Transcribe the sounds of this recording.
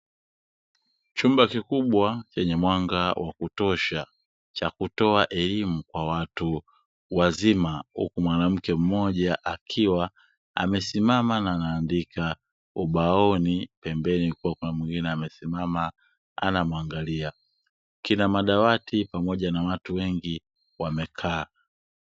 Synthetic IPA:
t͡ʃumbakikuɓwat͡ʃɛɲɛmwaŋɡawʔa̰kutɔʃa | t͡ʃakutɔaʔɛlimukwawatu | wazimahṵkumwanam̩kɛm̩mɔʄaʔakʰiwa | a̰mɛsimamanaːnaːndika | uɓaɔnipɛmbɛnikuwakunamwiŋɡinɛamɛsimama | a̰namuaŋɡalia | kinamaɗawatʰipamɔʄanawatuwɛŋɡi | wamɛkʰaː

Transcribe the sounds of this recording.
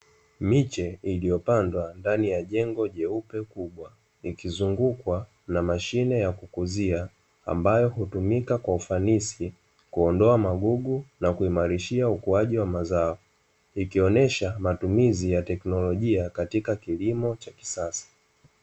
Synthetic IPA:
mit͡ʃɛilijɔpandwandanijaʄɛŋɡɔʄɛupɛkuɓwa | ikizuŋɡukwa | namaʃinɛjakukuzia | a̰mbajɔhutumikakwaufanisi | kuɔndɔamaɠuɠunakuimaɾiʃiaukuaʄiwamazaɔ | ikiɔnɛʃamatumizijatɛknɔlɔʄiakatikakilimɔt͡ʃaki̥sasḁ

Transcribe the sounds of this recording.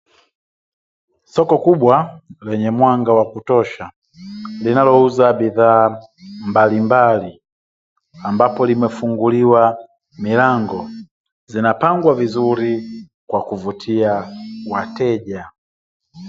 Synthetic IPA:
sɔkɔkuɓwalɛɲɛmwaŋɡawakutɔʃa | linalɔuzabiðaː | mbalimbali | ambapɔlimɛfuŋɡuliwa | milaŋɡɔ | zinapaŋɡwavizuɾi | kwakuvutʰiawatɛʄa

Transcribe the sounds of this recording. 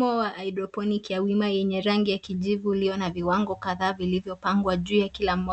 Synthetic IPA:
ɔwaʔaidɾɔpɔnikiawimajɛɲɛɾaŋɡijakiʄivuːliɔnaviwaŋɡɔkaðaːvilivjɔpaŋɡwaʄuːjakilam̩ɔ

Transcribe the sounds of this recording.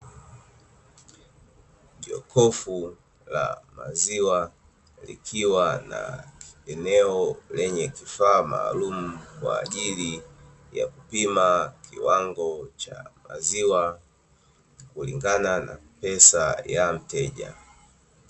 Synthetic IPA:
ʄɔkʰɔfu | la̰maziwa | lḭkʰiwana̰ɛnɛɔlɛɲɛkifaːma̰ːlum̩kwaːʄili | ja̰kupimakiwaŋɡɔt͡ʃamaziwa | kuliŋɡanana̰pɛsajam̩tɛʄa̰

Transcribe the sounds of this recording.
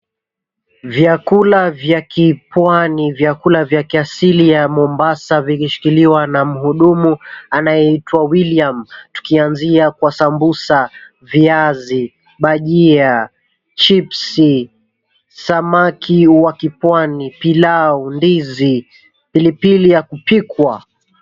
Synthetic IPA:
vjakulavjakipwanivjakulavjakiasilijamɔmbasavikiʃi̥kiliwanam̩huɗumuanajɛitwawiliamtu̥kianziakwasambusa | viazi | ɓaʄia | t͡ʃipsi | samakʰiwakipwanipilaɔndizi | pilipilijakupikwa

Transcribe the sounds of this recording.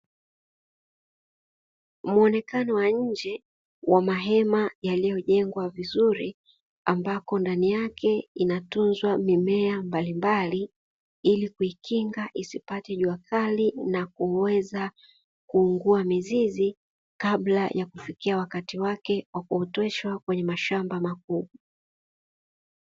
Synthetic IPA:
muɔnɛkanɔwaɲ̩d͡ʒɛ | wʔamaɦɛmajalijɔʄɛŋɡwavizuɾi | ambakɔndanijakʰɛinatunzwamimɛambalimbali | ilikuikiŋɡaʔisipatɛʄuakʰalinakuwɛza | kuːŋɡuamizizi | kaɓlajʔakufikiawakatiwakɛwakuɔtɛʃwakwɛɲɛmaʃambamak̚uɓa

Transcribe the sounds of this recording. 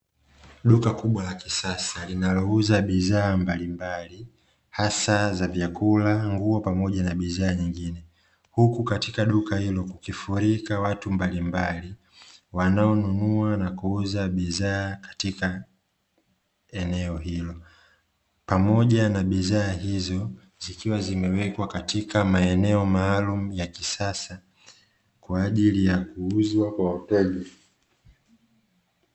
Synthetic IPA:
ɗukakuɓwalakisasalinalɔuzaɓiðaːmbalimbali | hasazavjakulaŋɡuɔpamɔʄanaɓiðaːɲiŋɡinɛ | hukukatikaɗukahilɔkukifuɾikawatumbalimbali | wanaɔnunuanakuuzaɓiðaːkḁtika | ɛnɛɔɦilɔ | pamɔʄanaɓiðaːhizɔ | zikiwazimɛwɛkwakatikamaɛnɛɔmaːlumujakisasa | kwaːʄilijakuuzwakwawatɛli

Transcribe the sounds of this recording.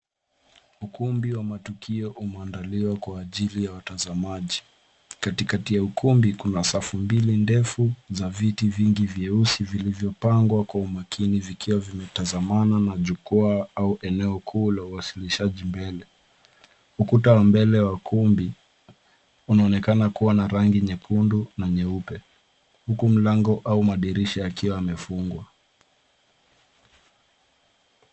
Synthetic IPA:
ukumbiwamatukʰiɔʔumɛandaliwakwaːʄilijawatazamaʄi | katikatijaukumbikunasafumbilindɛfuzavitiviŋɡivjɛusivilivjɔpaŋɡwakwaumakʰinivikʰiwavimɛtazamananaʄukɔaauʔɛnɛɔkʰuːlauwasiliʃaʄimbɛlɛ | ukutawambɛlɛwakʰumbi | unaɔnɛkanakuwanaɾaŋɡiɲɛpʰundunaɲɛupɛ | hukum̩laŋɡɔʔaumaɗiɾiʃajakiwaamɛfuŋɡwa

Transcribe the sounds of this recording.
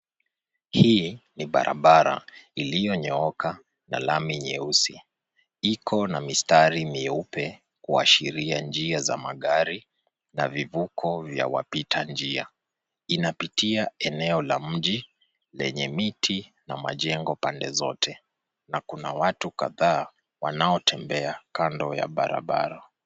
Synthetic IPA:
hiːniɓa̰ɾʔa̰ɓaɾa̰ilijɔɲɔɔka | na̰lamiɲɛusi | ikʰɔnamistaɾimiupɛ | kua̰ʃiɾiand͡ʒiaza̰maɠaɾi | na̰vivukʰɔvja̰wa̰pitʰand͡ʒia | inapitiaɛnɛɔlam̩ʄi | lɛ̰ɲɛmitʰi | nama̰ʄɛŋɡɔpandɛzɔtʰɛ | nakunawatukaðaː | wanaɔtʰɛmbɛakandɔja̰ɓaɾa̰ɓa̰ɾa

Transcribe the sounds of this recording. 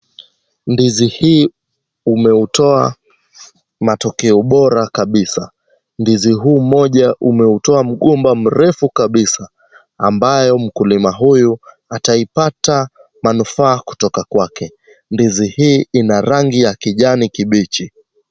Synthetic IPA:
ndizihiː | umɛutɔa | matɔkɛɔɓɔɾakaɓisa | ndiziɦuːmɔʄaʔumɛutɔam̩ɠɔmbam̩ɾɛfukaɓisaː | mbajɔm̩kulimaɦuju | ataipata | manufaːku̥tɔkakwakɛ | ndizihiːinaɾaŋɡijakiʄanikiɓit͡ʃi

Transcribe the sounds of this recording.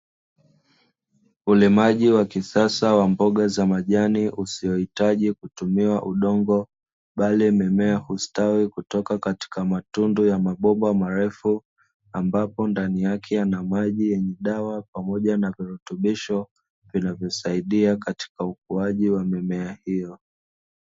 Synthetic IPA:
ulimaʄiwakisasawambɔɠazamaʄaniʔusijɔhitaʄikutumiwaʔuɗɔŋɡɔ | ɓalimɛmɛahustawikutɔkakati̥kamatundujamaɓɔmbwamaɾɛfu | ambapɔndanijakʰɛanamaʄijɛɲɛɗawapamɔʄanaviɾutuɓiʃɔ | vinavjɔsaiɗiakati̥kauk̚uaʄiwamɛmɛahijɔ

